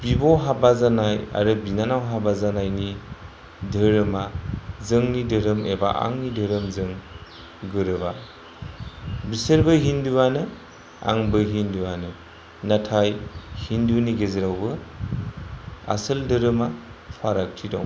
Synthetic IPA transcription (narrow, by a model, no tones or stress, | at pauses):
b̥iboɦabazanaja̰ɾɯbinanawɦabazanajni | dɯɾɯmazɯŋnidɯɾɯmeba̰ʔa̰ŋnidəɾɯmzɯŋ | ɡɯɾɯba | bisɯɾbɯɦinduwanɯ | a̰ŋbɯɦinduwanɯ | natʰajhinduniɡezeɾawbɯ | a̰sɯldɯɾɯmapʰaɾak̚tʰidɔ̰w